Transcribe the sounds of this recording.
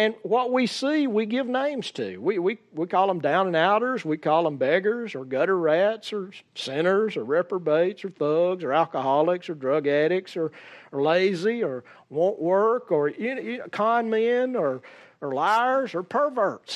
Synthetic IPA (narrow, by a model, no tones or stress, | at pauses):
ɨ̃nwʌt̚wisiwiɡɪvnẽɪ̃mz̥tʰʉ̰wiwiwikʰɔlˠə̃mdãʊ̃nə̃naʊɾə˞zwikʰɔlˠə̃mbɛɡə˞zə˞ɡʌɾə˞ɹætsə˞sɛ̃ɾ̃ə˞zə˞ɹɛpə˞beɪtsə˞θʌɡzə˞ælˠkəhɑlˠɪksə˞dɹʌɡɛɾɪksə˞leɪziə˞wõʊ̃nʔwɜ˞kə˞kʰãɪ̃nmɪ̃nə˞ːlaɪə˞zə˞pʰə˞və˞ts